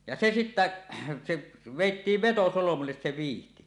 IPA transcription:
jɑ se sitːæ se ʋeˑitːiːʋ ʋetosolomulːes se ʋiːhti

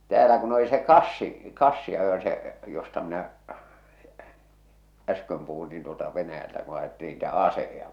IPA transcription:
tæːlæ kun oli se kɑsːi kɑsːiɑjo se jostɑ minæ æskøm puhun niːn tuotɑ ʋenæjæltæ ku ɑjetːiːn niːtæ ɑsehejɑ

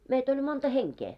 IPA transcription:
meit olʲ montɑ heŋkeː

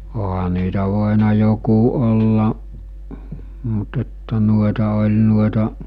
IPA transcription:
oɦɑ niːtæ ʋoˑenɑ joku olːɑʔ mut etːæ nuoĕtɑ olʲ nuoĕtɑʔ

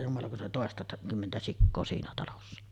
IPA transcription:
jumɑlɑ kun siːn oli toˑestɑ kymːentæ sikːoː siːnæ tɑlosːɑ

